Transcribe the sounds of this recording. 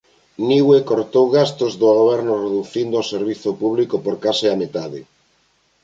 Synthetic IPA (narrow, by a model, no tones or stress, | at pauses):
niwekoɾt̪owɣast̪ozðoɣoβɛɾnʊreðuθind̪ooseɾβiθʊpuβ̞likopoɾkasɪamet̪aðɪ